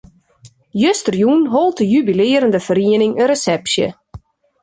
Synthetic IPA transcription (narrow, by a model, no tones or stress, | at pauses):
jøstərjunɦolˠtəjybilɪəɾəndəfəriənɪŋəresɛpsjə̰